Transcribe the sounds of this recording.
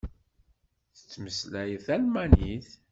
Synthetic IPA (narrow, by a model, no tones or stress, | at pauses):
θə̥t͡sːməslæjθælmæniθ